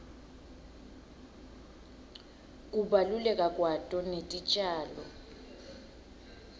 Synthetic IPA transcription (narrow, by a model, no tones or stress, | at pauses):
k̬ʼuɓalulɛkʼakʼwatʼɔnetʼit͡ʃʼaːlɔ